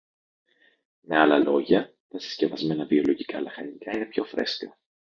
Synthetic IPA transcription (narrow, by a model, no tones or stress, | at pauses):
me̞ɐlɐlo̞ʝɐ | t̪ɐsi̥sce̞vɐzme̞nɐvio̞lo̞ʝikɐlɐxɐnikɐine̞pço̞fɾe̞skɐ